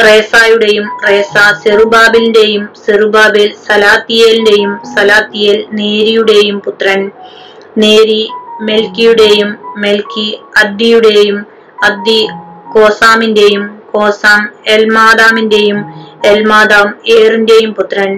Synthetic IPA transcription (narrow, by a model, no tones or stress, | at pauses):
reːsaːjuɽe̞jumre̞ːsaserubaːbilnde̞jumserubaːbilsɐlaːt̪ːijelinde̞jumsɐlaːt̪ːijelneːɾijuɽe̞jumput̪rɐn | neːɾime̞lkijuɽe̞jumːelkiɐd̪ijuɽe̞jum | ɐd̪iko̞ːsaːminde̞jumkoːsaːmelmaːd̪aːminde̞jumelmaːd̪aːmeːrinde̞jumput̪rɐn